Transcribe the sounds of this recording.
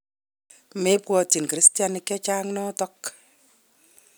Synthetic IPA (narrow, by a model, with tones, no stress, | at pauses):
me˦pwɔ˧ti˨nkɨɾi˦stja˨nɪkːɛ˦t͡ʃaː˦ŋnɔ˦tɔ˦k